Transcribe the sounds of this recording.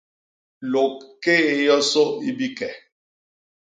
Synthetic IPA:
lo˨kːe˦e˨jɔ˦so˦i˦bi˦kɛ˨

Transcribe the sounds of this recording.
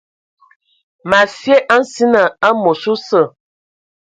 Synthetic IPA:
ma˨fje˦ʔa˦n̩˦si˦na˨a˦mo˨su˦sə˦˨

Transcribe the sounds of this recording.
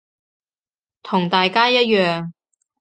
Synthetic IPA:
t̪ʰʊ˨˩ŋt̪aː˨jkaː˥jɐ˥t̚jœː˨ŋ

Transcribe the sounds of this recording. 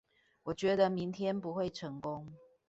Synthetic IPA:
wɔ˨˩t͡ɕɥɛ˨˧˥d̪ə˧mi˨˦ŋt̪ʰjɛ˥npu˧˥xwe˥˩ɪʈ͡ʂʰɤ˧˥ŋkʊ˦˥ŋ

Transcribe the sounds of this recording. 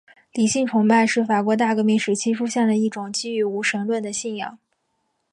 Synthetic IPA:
li˨˩ɕi˥˩ŋʈ͡ʂʰʊ˧˥ŋpa˥˧ɪʂɻ̩˥˩fa˨˩kwɔ˧˥t̪̬a˥˩kə˧˥mi˧˥˩nʂɻ̩˨˩t͡ɕʰi˥ʂʰu˥ɕjɛ˥˩nd̪ə˩i˥˩ʈ͡ʂʊ˨˩˦ŋt͡ɕi˥y˧˥u˧˥ʂə˧˥nlwə˥˩nd̪ə˩ɕi˥˩njɑ̰˥˨˩ŋ

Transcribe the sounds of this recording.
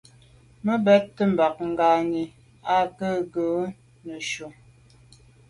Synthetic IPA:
mə˦bɛ˦tːə˦m̩˨ba˨k̚ŋ̩˨ɡa˨ŋi˨ | a˦kə˦˨ɡə˨˦ | nə˨ʃo˨

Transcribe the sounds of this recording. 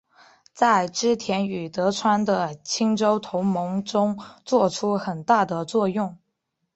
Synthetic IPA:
t͡sa˥˩ɪʈ͡ʂɻ̩˥t̪ʰjɛ˧˥ny˨˩t̪ɤ˧˥ʈ͡ʂʰwa˥nd̪ə˨t͡ɕʰi˥ŋʈ͡ʂo˥ʊt̪ʰʊ˧˥ʊmɤ˧˥ŋʈ͡ʂʊ˥ŋt͡swɔ˥˩ʈ͡ʂʰu˥xə˨˩nt̪a˥˩d̪ə˩t͡swɔ˥˧jʊ˥˩ŋ

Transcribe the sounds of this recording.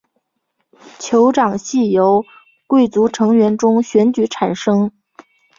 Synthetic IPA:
t͡ɕʰjo˧˥ʊʈ͡ʂɑ˨˩ŋɕi˥˩jo˧˥ʊ | kwe˥˩ɪt͡su˧˥ʈ͡ʂʰɤ˧˥ŋɥɛ˧˥nʈ͡ʂʊ˥ŋɕɥɛ˧˥nt͡ɕy˧˥ʈ͡ʂʰa˨˩nʂɤ˥ŋ

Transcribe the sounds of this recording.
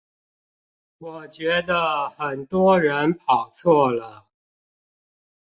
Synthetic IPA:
wɔ˨˩t͡ɕɥɛ˧˥d̪ə˧xə˨˩nt̪wɔ˥ɻə˧˥npʰɑ˨˩ʊt͡sʰwɔ˥˩lə˩

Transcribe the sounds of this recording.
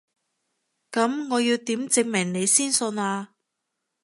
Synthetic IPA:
kɐ˨˥mŋɔː˨˧jiː˧wt̪iː˨˥mt͡sɪ˨˧ŋ̚mɪ˨˩ŋne˨˧jsiː˥nsɵ˧naː˧

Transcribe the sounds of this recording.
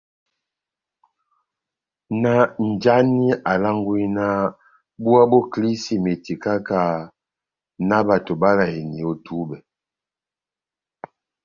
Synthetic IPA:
na˦n̩˨d͡ʒa˦ni˦a˨la˦ŋɡu˦i˦na˦ | bu˦a˦bɔ˦kli˦si˨me˨ti˨ka˦ka˦˨ | na˦ba˨to˨ba˦la˨i˨ni˨o˦tu˨˦bɛ˨

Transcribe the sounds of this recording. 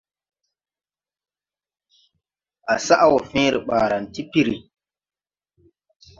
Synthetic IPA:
ʔa˨sa˦ʔa˦wɔ˨fẽ˦ɾi˨ɓaː˨ɾa˨nti˦pi˦ɾi˨

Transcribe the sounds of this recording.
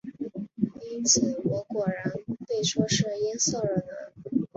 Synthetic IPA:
i˥nt͡sʰə˥nwɔ˧˥kwɔ˨˩ɻa˧˥npe˥˩ɪʂwɔ˥ʂɻ̩˥˩jɛ˥sɤ˥˩ə˞˨˩na˧˥n

